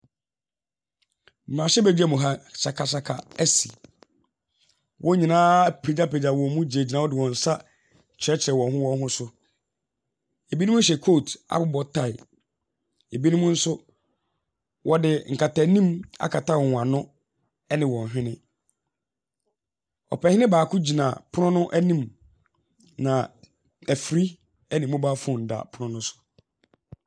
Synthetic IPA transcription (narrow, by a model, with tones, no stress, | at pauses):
m̩˨mãː˨ɕɛ˦bæ˨d͡ʑᶣɛ˦mũ˨ɦa˦ɕa˨kʰa˨ɕa˨kʰa̰˨æ˦si˨ | wʔɔ̃˦ɲĩ˨nãː˦pʰe˨d͡ʑa˦pʰe˨d͡ʑa˨wɔ̃˨mũ˦d͡ʑe˨d͡ʑi˨nã˦wɔ˦dɪ˨wɔ̃˨n̩˨sa˦ | t͡ɕʰɾɛ˦t͡ɕʰɪ˨ɾɛ˨wɔ̃˨nɦʊ̃˦wɔ˦n˦ɦʊ̃˦sʊ˦ | e˨bi˦nũ˦ũ˦ɕ̬ɛ˨kʰo˦˨tʰa̰˨bʊ˦bɔ˨tʰa˦˨ɪ˨ | e˨bi˦nũ˦mũ˦n̩˦sʊ˦ | wʔɔ˦dɪ˨ŋ̩˨kʰa˨tʰa˨nĩ˦ma̰˦kʰa˨tʰa˦wɔ˨ã˨nʊ̃˦ | ɛ˦nɪ̃˨wɔ̃˨n˨ɦᶣɪ̃˦nɪ̃˦ | ɔ̰˨pɛ˨hɪ˦nɪ̃˦baː˨kʰʊ̃˦d͡ʑi˨nã˨pʰʊ˦ʊ̃˦nʊ̃˦ʔæ˦nĩ˦m | nã˨ | æ˨fɾi˦ | æ˦nĩ˨mʊ̃˦ba˦fʊ̃˦˨n̩˨da̰˨pʰʊ˦nʊ̃˦nʊ̃˦sʊ̥˨